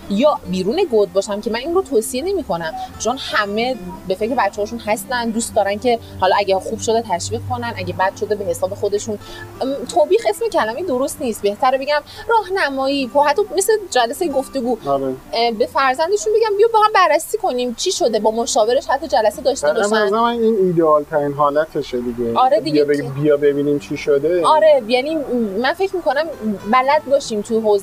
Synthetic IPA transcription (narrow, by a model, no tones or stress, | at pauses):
jɒːbiːɾuːneɡod̪̚bɒːʃæmcʰemæninrot̪ʰoːsiene̞miːkʰo̞næmt͡ʃʰonhæme̞be̞fe̞cɾeæt̪t͡ʃːehɒːʃunhæst̪ænd̪uːst̪d̪ɒːɾænkcʰe̞ | hɒlɒæɟæxub̥ʃo̞d̪et̪ʰæʃviːʁ̚kʰo̞nænʔæɟebæd̪̥ʃo̞d̪ebe̞he̞sɒːbe̞xo̞d̪e̞ʃun | t̪ʰoːbiːxe̞sme̞cʰælæmed̪oɾo̞st̪niːst̪̚be̞ht̪ʰæɾbe̞ɟæmrɒːhnæmɒːiːpʰɒhæt̪ʰːɒmesed͡ʒælæsejɡoft̪e̞ɡuːɾebe̞fæɾzænd̪eʃunbe̞ɟæmbijɒbæːɣæbærːæsiːkʰo̞niːmt͡ʃʰiːʃod̪e̞bɒːmoʃɒːbe̞ɾeʃhæt̪ʰːɒd͡ʒælæsed̪ɒːʃt̪ebɒʃænæmæniːniːd̪eɒːlt̪ʰæɾinɦɒːlæt̪ʰeʃed̪iɟeɒːɾed̪iijebijɒbebiːnimt͡ʃʰiʃod̪eɒːɾe̞jæniːmænfe̞cʰmiːkʰo̞næmbælæd̪̚bɒːʃiːmt̪ʰujeɦoːz